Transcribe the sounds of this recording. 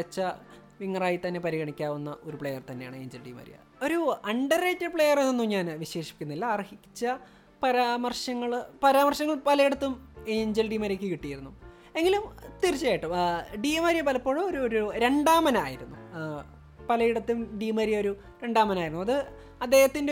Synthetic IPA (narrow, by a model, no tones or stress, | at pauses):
ɐt͡ɕːɐ | ʋiŋːɐraːjit̪ɐnːepɐɾiɣɐɳikʲːaːʋunːɐʔo̞ɾupɭeːjɐrt̪ɐnːe̞ja̰ːɳɨeːɲd͡ʑelɖḭmɐ̰ɾḭjɐ̰ | o̞ɾuɐɳɖɐreːtːɐpɭejɐrenːenːuɲaːnʋiɕe̞ːʂi̥kʲːunːilːɐːrɐhikʲːi̥t͡ɕːɐ | pɐɾaːmɐrɕɐŋːɐɭpɐɾaːmɐrɕɐŋːɐɭpɐlɐjiɽɐt̪ːumeːɲd͡ʑelɖimɐɾɐkʲːɨkiʈːijiɾunːu | e̞ŋːɡilumt̪irit͡ɕːɐjaːjiʈːumɖimɐɾijɐpɐlɐpːo̞ːɭoɾuoɾuɾe̞ɳɖaːmɐnaːjiɾunːu | pɐlɐjiɽɐt̪ːumɖiːmɐɾijɐo̞ɾu | ɾe̞ɳɖaːmɐnaːjiɾunuɐðɨ | ɐd̪ːe̞ːhɐt̪ːinde